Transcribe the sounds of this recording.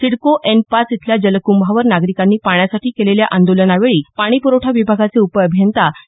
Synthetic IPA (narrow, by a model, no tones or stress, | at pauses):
siɽkoʔenpasit̪ʰljad͡ʑələkumbʱaʋəɾnaɡɾikanːiːpaɳ̃jasaʈʰiːkeleljaʔand̪olənaʋeɭiːpaɽ̃iːpuɾoʈʰaʋibʱaɡat͡seupəəbʱjənt̪a